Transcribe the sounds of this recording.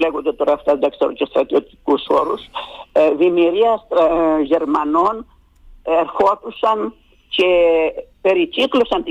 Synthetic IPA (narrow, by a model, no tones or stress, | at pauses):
leɣund̪et̪oɾɐːft̪ɐd̪ɐkseɾocest̪ɾɐt̪iot̪i̥kusoɾus | vimiɾiɐst̪ɾʝeɾmɐnon | eɾxot̪usɐn | cepeɾiciklosɐnt̪i